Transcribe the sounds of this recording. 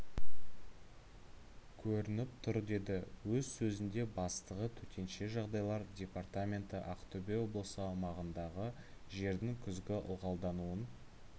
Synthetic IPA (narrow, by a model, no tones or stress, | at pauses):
kʲʰɵɾɪnɪp̚t̪ʰʏɾd̪e̞d̪ɪwɵzsɵzɪnd̪e̞bɑst̪əʁət̪ʰɵt̪ʰʲe̞nʃe̞ʒɑʁd̪ɑjlˠɑɾdʲe̞part̪amʲe̞nt̪ɪʔaqt̪obʲewo̞blˠəsəɑmɑʁənd̪ɑʁə | ʒe̞ɾd̪ɪŋkʲʰʏzɡʲɪʔʊ̰lˠʁɑlˠd̪ɑnuən